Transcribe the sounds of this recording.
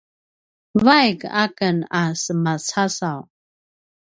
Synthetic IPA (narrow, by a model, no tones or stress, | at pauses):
vajɡakənasəmat͡sasaw